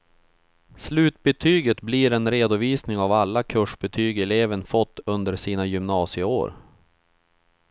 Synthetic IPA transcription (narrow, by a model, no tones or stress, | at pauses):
slʉ̟ːt̪bɛt̪ʰyːɡət̪bliːɾɛnɾeːd̪ʊviːsnɪŋavalːakʰɵʂbɛt̪ʰyːɡɛleːvənfɔt̪ːɵnd̪əɾsiːnajɵmnɑːsɪəo̰ːɾ